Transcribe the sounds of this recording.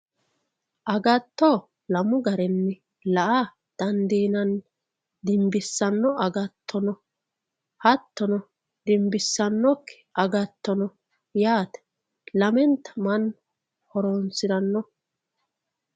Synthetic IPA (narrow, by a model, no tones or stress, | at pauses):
ʔɐɡɐt̪ːɔ | lɐmʊɡɐɾɛnːɛ | lɐʔa | d̪̥ɐnd̪iːnɐn | d̪ɪmbɪsːɐnːɔɐɡɐt̪ʰːɔnɔ | hɐt̪ːɔnɔ | d̪ɪmbɪsːɐnːɔkːɪ̥ʔɐɡɐt̪ːɔnɔ | jaːt̪ɛ̥ | lɐmɛnt̪ɐ̥mɐn | hɔɾɔnsɪd̪ɐnːɔ